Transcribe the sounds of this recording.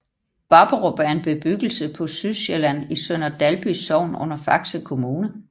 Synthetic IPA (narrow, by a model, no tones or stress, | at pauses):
b̥ɑ̈b̥əʁɔb̥æɐe̝nb̥e̝b̥yɡ̥l̩səpʰɒ̽syðˠɕelæn̰isøn̰ɐd̥ælb̥ysɒʊ̰nɔ̽n̰ɐfɑ̈ɡ̥səkʰo̝muːnə